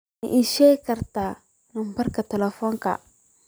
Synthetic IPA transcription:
iʔiʃekɐɾta | nambaɾkatɛlɛfɔŋka̰

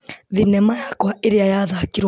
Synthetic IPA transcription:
ðinɛmajakwaʔeɾeajaðakiɾw

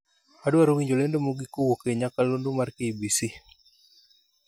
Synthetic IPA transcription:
adowaɾowiɲd͡ʒolɛndomuɡikowokeɲakalondomarkeibisi

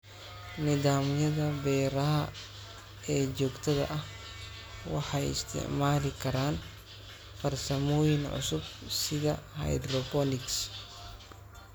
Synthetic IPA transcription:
nɪðaːmjɐðɐbɛːɾɐɦɐ | ɛːd͡ʒɔːɡt̪ʰɐðɐ̰ʔɐh | wɑħɑjɪ̰st̪ʰɪ̰ʕmaːlɪkʰɐɾaːn | fɐrsɐmɔːjɪnʕʊ̰sʊbsɪðɐhɐ̰jd̪rɔbɔnɪks

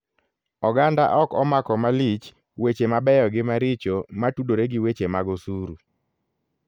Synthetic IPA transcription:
ɔɡanda̰ʔɔkɔmakɔmalit͡ʃ | wet͡ʃemabɛjɔɡɪmaɾɪt͡ʃomatudoɾeɡɪwet͡ʃemaɡɔsuɾu

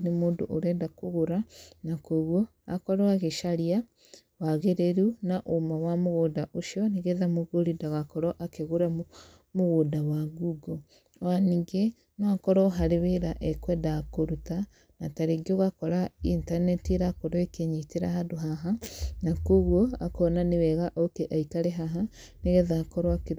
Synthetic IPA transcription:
nemoːndo̰ʔoɾɛndakoɣoɾanakoɣwo | a̰kɔɾɔaɣeʃaɾia | waɣeɾeɾunaʔomawamoɣodaʔoʃiɔniɣeðamoɣoɾidaɣakɔɾɔʔakeɣuɾa | moɣodawaɡuɡo | aniŋɡe | noakɔɾɔɦaɾeβeɾaʔɛkwɛdakoɾuta | nataɾeɡoɣakɔɾaintanɛtiɾakoɾoekeɲiteɾa̰hadoɦaɦanakoɣoa̰kɔnanewɛɣaʔokeʔaikaɾeɦaɦa | neɣeðakɔɾɔake

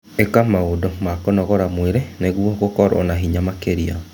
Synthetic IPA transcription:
ekamaodɔmakɔnɔɣɔɾamweɾeneɣwɔɣokɔɾɔ̰naɦiɲamakeɾia̰

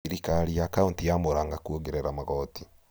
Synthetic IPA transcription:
ɾikaɾijakauntijamoɾaːŋɡakwoɣeɾeɾamaɣɔti

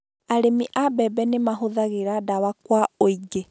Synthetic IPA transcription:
aɾemiʔabɛbɛnemaɦoðaɣeɾadawakwaoiɡe

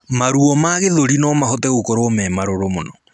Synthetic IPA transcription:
maɾuɔmaɣeðoɾinɔmahɔtɛɣokoɾoːmɛmaɾoɾomonɔ

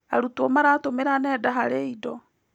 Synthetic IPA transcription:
aɾutuɔmaɾatomeɾanɛdaɦaɾeidɔ

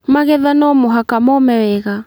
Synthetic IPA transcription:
maɣɛðanɔmoɦakamɔmɛwɛɣa

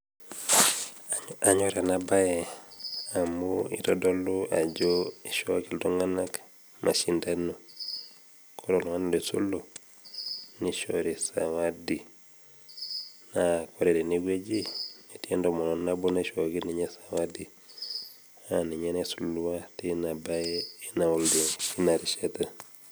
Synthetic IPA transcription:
aɲoɾenabaje | amuḭtodoluad͡ʒoiʃokildoŋanak | ma̰ʃindanu | kʰoɾoluŋandesṵlo | niʃo̰ɾisa̰wadi | nakoɾedeniɡed͡ʒinetiendomononːabunaʃokilniɲesawadi | aniɲenesulːuwatinabajeinawuldiŋinaɾiʃeta

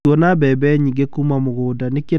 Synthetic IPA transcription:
wɔnabɛbɛɲiŋɡekumamoɣoːdaneke

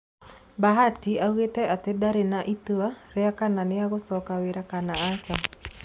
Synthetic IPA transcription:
baɦatiawetɛat̪edaɾenaʔit̪uaɾɛakananɪaɣʊsɔkaweɾakanaːsa

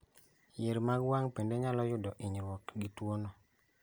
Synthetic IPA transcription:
jeɾmaɡwaŋpendeɲalɔjʊdɔʔiɲɾwɔkɡitwonɔ

